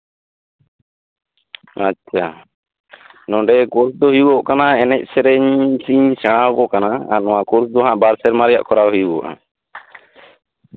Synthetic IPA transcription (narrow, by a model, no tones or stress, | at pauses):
atːt͡ʃʰa | nɔ̃ɖɛkuɾsd̪ɔɦujuwɔʔkanaɛnɛc̚ˀsɛɾɛɲsiɲsɛɽ̃awkɔkanaa̰nɔwakɔɾsd̪ɔɦãʔbaɾsɛɾmaɾɛja̰ʔkʰɔɾawɦujuɔ̰ʔa̰